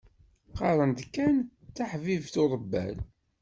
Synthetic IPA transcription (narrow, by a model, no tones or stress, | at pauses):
qɑɾˤənd̪kːænt͡sːaħvivθoɾˤəbːæ̰l